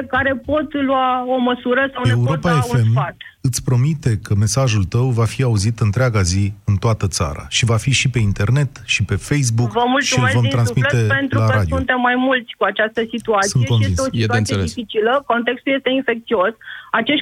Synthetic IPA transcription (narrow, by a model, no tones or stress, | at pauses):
kaɾe̞po̞t̪luao̞məsuɾəsawneuɾopaefune̞mfat̪ | ɨt̪sʲpɾo̞mit̪e̞kəme̞saʒult̪əwvafiauzit̪ɨnt̪ɾeaɡaziɨnt̪oat̪ət̪sa̰ɾa̰ʃivafiʃipe̞int̪e̞rne̞t̪ʃipe̞fejs̬bukvəmult̪ʃsuilevomt̪ɾansmit̪epent̪ɾulaɾad̪ijunt̪emːajmult̪sʲkuat͡ʃast̪əsit̪uat̪sɨnjekoneinseosiieuanijeleisfit͡ʃiləko̞nt̪e̞kst̪ulje̞st̪einfe̞k̚t̪sio̞sat͡ʃe̞ʃ